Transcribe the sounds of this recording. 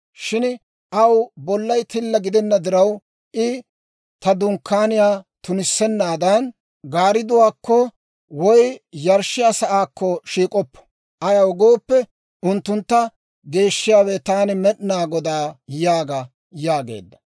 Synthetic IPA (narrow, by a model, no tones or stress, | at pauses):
ʃɪn | ʔɐwbɔlːɐjt̪ɪlːɐɡɪd̪ɛnːɐd̪ɪɾɐw | ʔɪ | t̪ɐd̪ʊŋkʰːaːnɪjaːt̪ʊnɪsːɛnːaːd̪ɐn | ɡaːɾɪd̪ʊwaːkːɔ | wɔjjɐɾʃɪjaːsɐʔaːkːɔʃiːkʼɔpːɔ̥ | ʔɐjaɔɡoːpːɛ | ʊnt̪ːʊnt̪ːɐ | ɡe̞ːʃːɪjaːwɛt̪aːnɪmɛʔnaːɡɔd̪aːjaːɡɐ | jaːɡe̞̰ːd̪ːɐ̥